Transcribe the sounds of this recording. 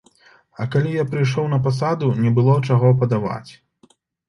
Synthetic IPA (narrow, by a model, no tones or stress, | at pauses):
ɐkalʲijapɾɨjʂ̬ɔwnɐpas̬ad̪unʲɛbɨlˠɔt͡ʂaɣɔpɐd̪ava̰t͡sʲ